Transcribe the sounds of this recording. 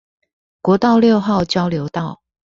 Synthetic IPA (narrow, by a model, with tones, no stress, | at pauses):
kwɔ˧˥t̪ɑ˥˨ʊljo˥˧ʊxɑ˥˨ʊt͡ɕjɑ˥ʊljo˧˦ʊt̪ɑ˥˨ʊ